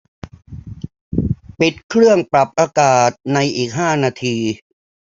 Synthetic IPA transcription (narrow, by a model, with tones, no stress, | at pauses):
pi˨˩t̪̚kʰɾɯ˥˩əŋpɾa˨˩p̚ʔaː˧kaː˨˩t̪̚na˧jʔiː˨˩k̚ɦaː˥˩naː˧t̪ʰiː˧